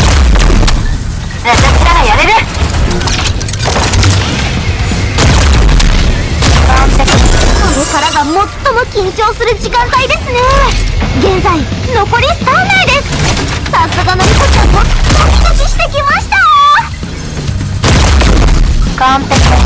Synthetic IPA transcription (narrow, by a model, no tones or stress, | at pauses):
at̪akit̪aɾajaɾeɾɯ | kãnteksoɾekaɾaɡamo̞t̪ːo̞mo̞kʲĩɲ̟t͡ɕo̞ːsɨɾɯ̟d͡ʑikãnt̪aid̪e̞sɨne | ɡẽ̞nzaino̞ko̞ɾʲist̪anːaid̪e̞sɨ̥sãsakanomikot͡ɕãmːoakʲit̪akʲiɕi̥t̪e̞kʲimaɕi̥t̪a | kãnt̪ek̪